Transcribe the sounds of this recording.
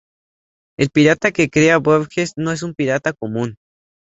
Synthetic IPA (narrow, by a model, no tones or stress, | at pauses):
e̞lpiɾat̪akekɾeaβoβxesno̞e̞s̬umpiɾat̪akomũn